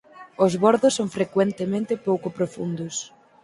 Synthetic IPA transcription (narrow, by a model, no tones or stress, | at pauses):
ozβoɾðʊsːoŋfɾekwent̪emẽnt̪ɪpowkopɾofund̪ʊs